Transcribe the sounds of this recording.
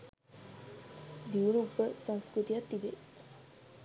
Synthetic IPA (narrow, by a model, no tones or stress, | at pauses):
d̪iuɾuːpːəsɐ̃ŋskɾut̪ijat̪ːiʋe